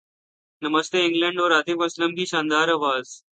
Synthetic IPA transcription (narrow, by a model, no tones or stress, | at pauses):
nəməst̪eĩŋɡləɳɖoɾaːt̪ʰifɐsləmkiːɕãːnd̪aːɾaʋaːz